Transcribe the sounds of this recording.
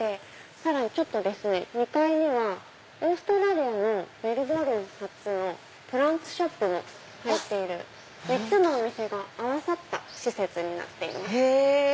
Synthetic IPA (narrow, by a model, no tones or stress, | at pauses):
de | saɾaɲ̟it͡ɕo̞t̪ːo̞d̪e̞sɨne̞ɲ̟ikaiɲ̟iβ̞a | o̞ːsɨ̥t̪oɾaɾʲiano̞be̞ɾɯ̟bo̞ɾɯ̟̃ɰhat͡sɨno̞ | pɯ̟ɾãnsɨ̥ɕo̞pːɯ̟mo̞̰ | hait̪ːe̞iɾɯ̟̰ | d̪et͡sɨnoːmʲise̞ɡaːβasat̪ːaɕise̞t͡sɨɲ̟ina̰t̪ːe̞ḭmas